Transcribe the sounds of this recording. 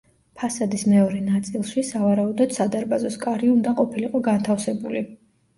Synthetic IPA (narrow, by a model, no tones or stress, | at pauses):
pʰasad̪ismɛɔɾɛnat̪sʼilˠʃisavaɾaud̪ɔd̪̥sad̪aɾbazɔskʼaɾiund̪aqʼɔpʰiliqʼɔɡant̪ʰafsɛbuli